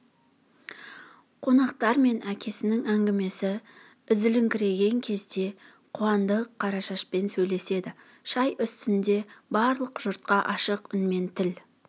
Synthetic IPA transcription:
qʰo̞nɑqt̪ɑɾme̞nækʲʰe̞sɪnɪŋæŋɡʲɪme̞sɪ | ʏzɪlɪŋkʲɪɾe̞ɡʲe̞ŋkʲʰe̞zd̪e̞ | qʰʊwɑnd̪əqʰːɑɾɑʃɑʃpensɵjle̞se̞d̪ɪ | ʃɑjʔʏst̪ɪnd̪e̞bɑɾlˠəqʒʊɾt̪̚qɑʔɑʃəqʏnme̞nt̪ʰɪl

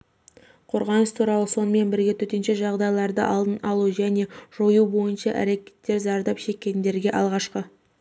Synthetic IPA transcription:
qʰo̞̰ɾʁɑnəst̪ʰuɾɑlˠəso̞nəme̞nbɪɾɡʲe̞t̪ʰɵt̪e̞nʃe̞ʒɑʁd̪ɑjlˠɑɾd̪əʔɑlˠd̪ənɑlˠuʒæne̞ʒ̥o̞jubo̞jənʃɑʔæ̰ɾe̞kʲe̞̥t̪ːe̞ɾzɑɾd̪ɑpʃe̞kʲːe̞nd̪e̞ɾɡʲe̞ʔɑlˠʁɑʃqə

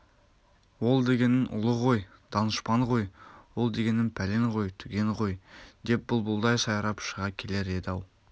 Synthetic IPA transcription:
wo̞lˠd̪e̞ɡʲe̞nɪnʔʊ̰lˠəʁo̞j | d̪̥ɑnəʃpɑɴqo̞jwo̞lˠd̪e̞ɡʲe̞nːɪnpʰæle̞ɴʁo̞jt̪ʰʏɡʲe̞ɴqo̞jd̪e̞p̚b̥ʊlˠbʊlˠd̪ɑjsɑjɑɾɑpʃəʁɑkʲʰe̞le̞ɾe̞d̪ɑw

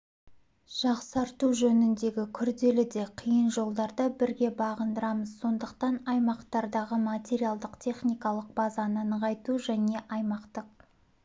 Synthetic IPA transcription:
ʒ̥ɑqsɑɾt̪uʒɵnɪnd̪e̞ɡʲɪkʲʰʏɾd̪e̞lɪd̪e̞qʰijənʒo̞lˠd̪ɑɾd̪əbɪɾɡʲe̞bɑʁənd̪əɾɑməzso̞nd̪əqt̪ɑnɑjmɑqt̪ɑɾd̪ɑʁəmat̪ʲe̞ɾijalˠd̪əqt̪ʰe̞χnijkɑlˠəq̚bɑzɑnənəʁɑjt̪uʒæne̞ʔɑjmɑqt̪əq̚

